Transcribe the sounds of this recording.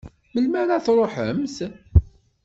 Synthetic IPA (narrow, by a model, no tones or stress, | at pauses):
məlmæɾaθɾˤoħəmθ